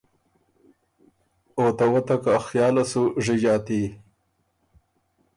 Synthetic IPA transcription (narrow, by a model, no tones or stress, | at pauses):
oːt̪awɐt̪akaxjɑːlasuʐid͡ʑɑːt̪i